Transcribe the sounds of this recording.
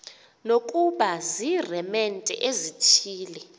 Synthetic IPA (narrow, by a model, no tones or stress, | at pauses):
nokʼuɓazirɛmɛntʼɛ̰ʔezit͡ʃʰiːlɛ